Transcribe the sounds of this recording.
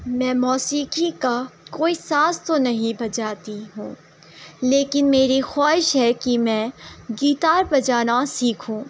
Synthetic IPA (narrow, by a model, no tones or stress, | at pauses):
mɛ̃ːmɔːsiːkʰikakoːisaːst̪onɐɦĩbɐd͡ʒaːt̪iɦṵ̃ː | leːkɪnmeːɾixaːɦɪʃɦɛkimɛ̃ːɡiːt̪aːɾbɐd͡ʒaːnasiːkʰũː